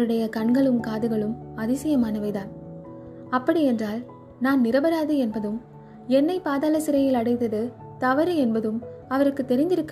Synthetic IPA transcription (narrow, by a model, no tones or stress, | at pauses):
ɾɯɽɐjɐkɐɳɡɐɭɯmkaːðɯɣɐɭɯmɐðɪsɐjɐmaːnɐʋɐɪðaːn | ɐpːɐɽiɛndraːl | naːnnɪɾɐbɐɾaːðɯɛnbɐðɯm | ɛnːɐɪpaːðaːlɐsɪɾɐjɪlɐɽɐɪt̪ɐðɯ | t̪ɐʋɐɾɯɛnbɐðɯmɐʋɐɾɯkːɯt̪ːɛɾɪnd̪ɪɾɯkː